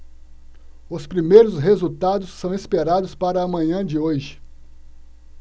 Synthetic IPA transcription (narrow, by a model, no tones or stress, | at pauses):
ʊspɾimejɾʊsɦezut̪ad̪ʊsːɐ̃w̃ispeɾad̪ʊspaɾɐːmɐ̃ɲɐ̃d͡ʒɪoʒɪ̥